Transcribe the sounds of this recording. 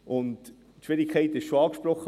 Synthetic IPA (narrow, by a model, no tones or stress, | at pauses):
ʔʊnt | tʃʋɪɾɪkʰːɛɪtɪʃʃoɑːkʃpɾɔχːə